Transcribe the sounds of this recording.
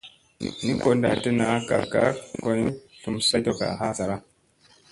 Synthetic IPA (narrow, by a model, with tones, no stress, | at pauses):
ni˦ko˨nda̰˨te˦na˨˦ka̰˨ka̰˦ko˨n˦ɬu˨msa˦to˨ka̰˨ɦa˦sa˨ɾa˦